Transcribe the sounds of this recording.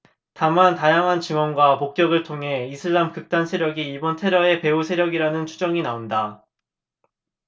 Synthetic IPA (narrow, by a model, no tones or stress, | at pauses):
tamantajaŋɦant͡ɕɯŋwʌnɡwamok̚k͈jʌɡɯɭtʰoŋɦe̞isʰɯɭːamkɯk̚t͈ansʰe̞ɾjʌɡiːbʌntʰe̞ɾjʌe̞pe̞usʰeɾjʌɡiɾanɯnt͡ɕʰud͡ʑʌŋinaonda